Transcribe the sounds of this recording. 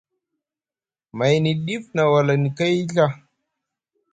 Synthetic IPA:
ma˨jni˨ɗi˦fna˨wa˨la˨ni˨ka˦ji˦ɬa˦

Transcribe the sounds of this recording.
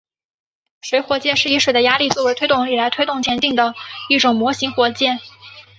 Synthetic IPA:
ʂwe˧˥ɪxwɔ˧˥t͡ɕjɛ˥˧nʂɻ̩˥˩i˧˥ʂwe˨˩ɪd̪ə˦ja˥li˥˧˩t͡swɔ˥˩wt̪ʰe˥ɪt̪ʊ˥˩ŋi˨˩la˧˥ɪt̪ʰwe˥ɪt̪ʊ˥˩ŋt͡ɕ̪ʰjɛ˧˥nt̪i˥˩ŋd̪ə˩i˥˩ʈ͡ʂʊ˨˩ŋmwɔ˧˥ɕi˧˥ŋxwɔ˧˥t͡ɕjɛ˥˩n

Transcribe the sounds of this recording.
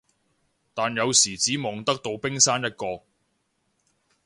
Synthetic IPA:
t̪aː˨˩njɐ˨˧wsiː˨˩t͡siː˨˥mɔː˨˧ŋt̪ɐ˥k̚t̪o˧wpɪ˥ŋsaː˥njɐ˥t̚kɔː˧

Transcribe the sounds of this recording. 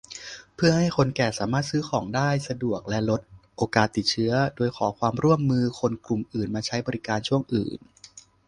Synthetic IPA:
pʰɯ˥˩ɐha˥˩jkʰo˧nkɛː˨˩saː˩˦maː˥˩t̪̚sɯː˦˥xʰɔː˩˦ŋdaː˥˩jsa˧du˨˩ək̚lɛ˦˥lo˦˥t̪̚ʔoː˧kaː˨˩t̪ːi˨˩t̪̚t͡ɕʰɯ˦˥ɐdoː˧jkʰɔː˩˦kʰwaː˧mɾu˥˩əmːɯː˧kʰo˧nklu˨˩mʔɯː˨˩nmaː˧t͡ɕʰa˦˥jbɔː˧ɾi˦˥kaː˧nt͡ɕʰu˥˩əŋʔɯ̰ː˨˩n

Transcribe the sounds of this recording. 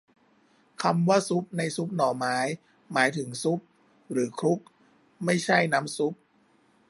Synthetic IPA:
kʰa˧mwaː˥˩su˦˥p̚na˧jsu˦˥p̚nɔː˨˩maː˦˥j | maː˩˦jt̪ʰɯ˩˦ŋsu˦˥p̚ | ɾɯː˩˦kʰɾu˦˥p̚ | ma˥˩jt͡ɕʰa˥˩jna˦˥msu˦˥p̚

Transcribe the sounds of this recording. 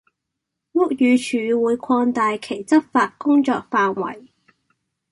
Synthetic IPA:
wʊ˥k̚jyː˨˧t͡ʃʰyː˨˧wuː˨˧jkʰɔː˧ŋt̪aː˨jkʰe˨˩jt͡sɐ˥p̚faː˧t̚kʊ˥ŋt͡ʃɔː˧k̚faː˧nwɐ̰˨˩j

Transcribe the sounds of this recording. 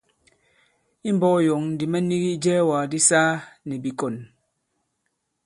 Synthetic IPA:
i˦m˦bɔ˦jɔ˨ŋ˨di˨mɛ˦ni˦ɣi˦d͡ʒɛː˦waː˨di˦saː˦nɛ˨bi˨kɔ˨n

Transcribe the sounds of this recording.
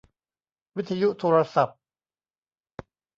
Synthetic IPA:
wi˦˥t̪ʰːa˧ju˦˥t̪ʰoː˧ɾa˧sa˨˩p̚

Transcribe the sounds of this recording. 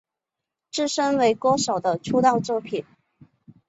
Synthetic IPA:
ʈ͡ʂɻ̩˥˩ʂə˥nwe˧˥ɪkɔ˥ʂo˨˩ʊd̪ə˦ʈ͡ʂʰu˥t̪ɑ˥˧ʊt͡swɔ˥˩pʰi˨˩˦n

